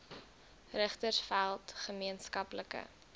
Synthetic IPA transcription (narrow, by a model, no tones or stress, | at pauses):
rəχtərsfælˠtχəmiənskɐpləkə̰